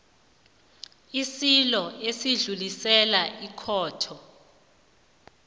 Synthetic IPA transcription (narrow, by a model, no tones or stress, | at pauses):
isilɔesiɮulisɛlaʔikʰɔːtʰɔ